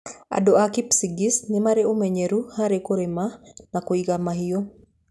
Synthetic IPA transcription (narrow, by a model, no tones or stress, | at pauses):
a̰doakipsiɡisnɪmaɾeomeɲeɾuhaɾekoɾemanakoiɡamahɪjo